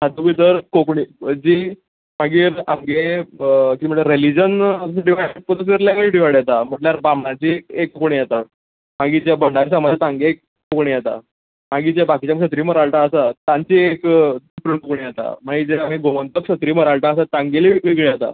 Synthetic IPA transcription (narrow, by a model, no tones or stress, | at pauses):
ad̪ubit̪əɾkokɳid͡ʑiː | maɡiːɾamɡe | kĩm̤əɳeɾelid͡ʑənsʈiʋaɭpət̪əseɾlaɡəɭʈiʋaɽjat̪am̤əʈljaɾbamɳat͡ɕiekːokoɳ̃ijat̪a | maɡid͡ʑjabəɳɖaɾisamad͡zet̪ãŋɡeekːokɳijat̪a̰ | maɡit͡ɕjabakit͡ɕamkɕət̪̬ɾiːməɾaɭʈaəsat̪ãɲt͡ɕiekupɾəɳkokɳijat̪a̰maɡiːd͡ʑeam̤iɡomənt̪əkɕət̪ɾiːməɾaɭʈaəsat̪ãŋɡeliʋiɡɭejat̪a̰